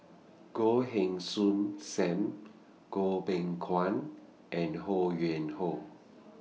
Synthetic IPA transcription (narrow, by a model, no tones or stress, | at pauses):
koɦeŋsunsɛm | kopeŋkʰwan | ʔɛnhojɛnho